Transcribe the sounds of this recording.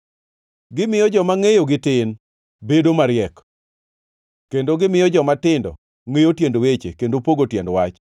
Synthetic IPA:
ɡɪmɪjɔd͡ʒɔmaŋejoɡɪtɪn | bedomaɾɪɛk | kendoɡɪmɪjɔd͡ʒɔmatɪndɔ̰ | ŋejotjendowet͡ʃḛkendopoɡotjɛndwat͡ʃ

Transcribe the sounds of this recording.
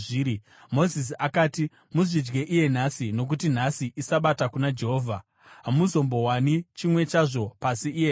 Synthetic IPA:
iːɾi | mo̞zis̬iakaːti | muʐid͡ʒɡe̞ʔije̞n̤asino̞k̬utin̤asiʔisaɓatakunad͡ʒe̞ɦoːvʱa | ɦamuzo̞mbo̞ɦwanit͡ʃimwe̞t͡ʃaʐo̞pasiije

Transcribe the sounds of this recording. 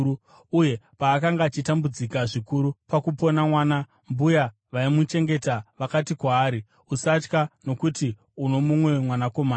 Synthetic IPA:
uje̞paːkaŋɡaːt͡ʃitambud͡zikaʐikuɾupakupo̞namwaːna | mbuja | ʋaimut͡ʃe̞ŋɡe̞taʋakatikwaːɾi | usat͡ʃkano̞kuti | uno̞mumwe̞mwanako̞maː

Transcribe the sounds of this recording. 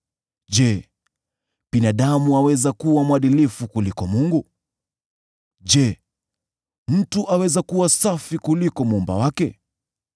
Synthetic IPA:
ʄɛ | ɓinaɗamuawɛzakuwamwaɗilifukulikɔmuŋɡu | ʄɛ | m̩tuʔawɛzakuwasafikulikɔmumba̰wakɛ

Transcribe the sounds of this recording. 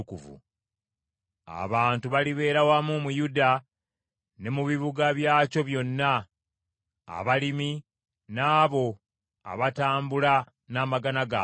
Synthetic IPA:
kṵvṵ | a̰βaːntuβaliβe̞ːɾawamumujuda | ne̞muβiβuɡaβjaːco̞βjo̞nːa | βalimi | naːβo̞ | a̰βataːmbula | naːmaɡanaɡa

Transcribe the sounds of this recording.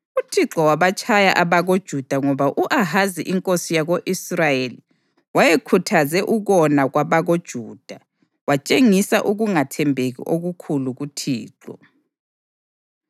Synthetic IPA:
utʰiǁɔwaβat͡ʃʼʰaja̰ʔaβaɣod̥ʒ̥ʱud̥ʱaŋɔβaʔuʔaɦaziʔiŋkʼosijaɣoʔisrajeli | wajekʰutʰazɛʔuɣɔnaɣwaβaɣod̥ʒ̥ʱuːd̥ʱa | wat͡ʃʼeŋisaʔuɣuŋatʰɛmbʱeɣḭʔoɣukʰuluɣutʰiːǁɔ̰

